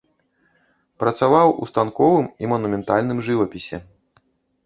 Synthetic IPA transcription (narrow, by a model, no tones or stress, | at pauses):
pɾɐt̪savawʔṵst̪ankɔvɨmimɐnumʲɛnt̪alʲnɨmʐɨvɐpʲisʲɛ̰